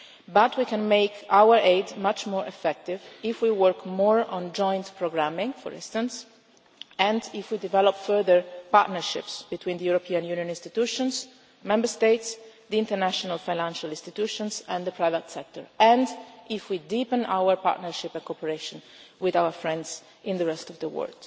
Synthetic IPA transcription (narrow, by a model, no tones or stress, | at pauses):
bat̪wikɛ̃nmeɪkawəɹeɪdmat͡ʃmɔɹɛfɛk̚t̪ɪvɪfwiwəɹkmɔːɹɔ̃nd͡ʒɔ̃j̃nt̪pʰɹɔɡɹamɪ̃ŋfɔ̰ɹɪ̰̃nst̪ãns | ɛ̃ndɪfwid̪ivɛlɔpfɜɹðəɹpa̰ɹt̪nəɹʃɪ̰psb̥it̪wĩnd̪əjuɾopʰiãnjunjɔ̃nĩnst̪it̪uʃɔ̃ns | mɛ̃mbəɹst̪eɪt̪sd̪iɪ̃nt̪əɹnæʃɔnalfajnãnʃalĩnst̪it̪uʃɔ̃nsɛ̃nd̪əpʰɹajvət̪sɛk̚t̪ɔ̰ɹɛ̃ndɪfwid̪ipə̃nʔa̰wəɹpa̰ɹt̪nəɹʃɪpɛ̃nkɔpəɹeʃɔ̃n | wɪðawəɹfɹɛ̃nd̪z | ʔɪ̃nd̪əɹɛst̪ɔvd̪əwɜ̰ld̪̥